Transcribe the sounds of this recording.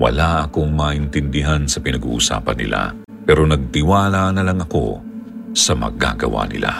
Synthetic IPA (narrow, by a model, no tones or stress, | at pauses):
wɐ̰laʔɐko̞ŋmaːʔɪnt̪ɪnd̪ɪɦansɐpɪnɐɡṵːʔusa̰ːpɐnːɪ̰lʔa̰ | pɛːɾo̞nɐɡ̚t̪ɪwaːlanɐlɐŋɐko̞̰sɐmɐ̰ɡa̰ːɡɐ̰wa̰ːnɪ̰lʔa̰